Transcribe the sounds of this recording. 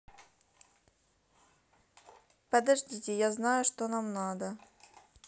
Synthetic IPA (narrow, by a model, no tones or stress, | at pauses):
pəd̪ɐʐdʲitʲɪjaznajʊʂt̪onamnad̪ə